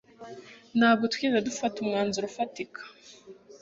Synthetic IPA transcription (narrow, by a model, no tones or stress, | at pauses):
naːβutwinadufatumŋaːnzuɾufatikʰḁ